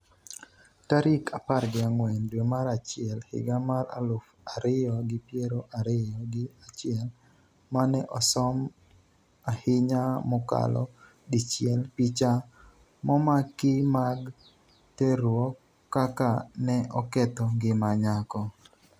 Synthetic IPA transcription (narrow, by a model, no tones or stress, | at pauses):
taɾɪkʰaparɡɪaŋwɛndwemaɾat͡ʃɪɛlhɪ̰ɡamara̰lʊf | aɾɪjɔɡɪpjeɾoʔaɾɪjɔɡɪat͡ʃɪɛl | manɛʔɔsɔm | ahɪɲamʊka̰lɔ̰ | dit͡ʃɪjɛlpit͡ʃa | mɔmakːɪmaɡ | tɛɾwɔkː | akanɛʔɔkɛt̪ɔɡɪmaɲakɔ